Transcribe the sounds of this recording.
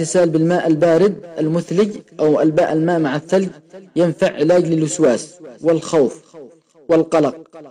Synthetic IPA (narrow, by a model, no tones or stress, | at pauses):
ɪsaːlbɪlmaːʔalbaːɾɪd̪̚ʔalmʊθlɪɟʔawʔalbaːʔalmaːʔmaʕaθːalɡjanfaʕːɪlaːd͡ʒlɪlːʊswaːswɪlxawf | wɪlqɑlɑq̚